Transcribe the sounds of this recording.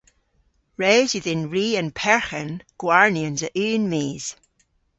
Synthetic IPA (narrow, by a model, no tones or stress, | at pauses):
ɹɛːzwɪðɪ̃nɹiːə̃npʰɛɹxənɡ̥waɹniə̃nzəʔʉːnmeːz̥